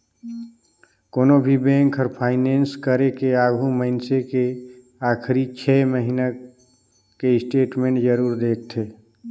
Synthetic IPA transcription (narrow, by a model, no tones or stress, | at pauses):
konobʱibẽŋkɔːɾpʰaɪnenskəɾekeaɡʱuməɪnseke | akʰɾit͡ʃʰɛməɦina | keɪsʈeʈmẽɳʈd͡ʒəɾuːɾd̪ek̚ʰt̪ʰe